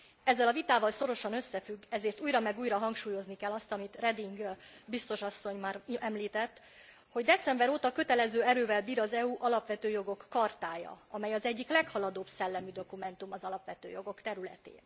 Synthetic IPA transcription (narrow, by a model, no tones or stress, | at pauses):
ɛzːɛlɒvit̪aːvɒlso̞ɾo̞ʃɒnø̞sːɛfyɡːɛzeːrt̪uːjɾɒmɛɡuːjɾɒɦɒŋkʃuːjo̞znikɛlːɒst̪ɒmit̪rɛd̪iŋɡbist̪o̞ʃɒsːo̞ɲmaːrɛmliːt̪ɛt̪ː | ho̞ɟd̪ɛt̪sɛmbɛɾoːt̪ɒkø̞t̪ɛlɛzøːɛɾøːvɛlbiːɾɒzɛuʔɒlɒpʋɛt̪øːjo̞ɡo̞kːɒrt̪aːjɒ̰ɒmɛjɒzɛɟːiklɛkhɒlɒd̪oːbsɛlːɛmyd̪o̞kumɛnt̪umɒzɒlɒpʋɛt̪ø̰ːjo̞ɡo̞kt̪ɛɾylɛ̰t̪ḛːn